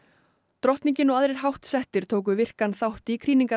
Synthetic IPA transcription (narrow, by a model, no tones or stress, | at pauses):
t̪ɾɔht̪niɲcɪnɔɣaðɾɛɾ̥ɦawht̪sɛht̪ɪɾ̥t̪ʰoːwk̬ʏvɪr̥kanθawht̪ikʰɾiːniŋka